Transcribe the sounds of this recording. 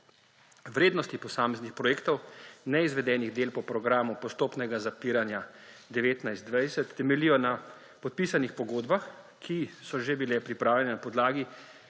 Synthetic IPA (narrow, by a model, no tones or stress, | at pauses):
wɾeːd̪nɔst̪ipɔsaːmɛznixpɾɔjeːkt̪ɔwnɛizʋɛd̪ɛːniɣd̪eːlpɔpɾɔɡɾaːmupɔst̪oːpnɛɡazapiːɾanjad̪ɛʋeːt̪najzt̪d̪ʋajsɛt̪ːɛmɛlijɔna | pɔt̪̚pisanixpɔɡoːd̪bax | kʰisɔʒebilɛpɾipɾaːwlʲjɛnɛnapɔd̪laːɡi